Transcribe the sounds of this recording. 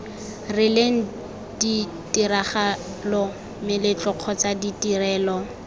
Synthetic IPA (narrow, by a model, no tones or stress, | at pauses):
rɪleŋ̩ | di | tiɾaχa | lɔ | mɪlɪt͡ɬʼɔq͡χʰɔt͡saditirɛːlɔ